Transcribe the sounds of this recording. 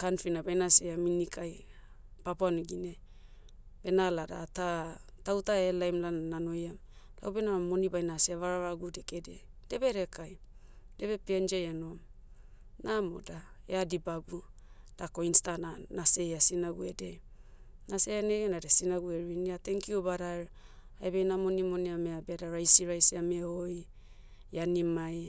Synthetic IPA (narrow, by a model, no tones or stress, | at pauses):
kanfinabajnaseaminikʰaj | papoanuɡine | be̞nalada̰tatawtaelajmlananano̞jamla̰wbenamo̞nibajnasiaβaɾaɾaɡudekede̞de̞be̞ɾekaj | de̞be̞piand͡ʒajanom | namo̰daḛadibabud̥ako̞instananaseasinaɡuede | nase̞janeɡenadesinaɡueɾiniate̞ŋkiobaɾaeɾ | aebajnamo̞nimo̞niameabeadaɾajsiɾajsiameoj | janimaj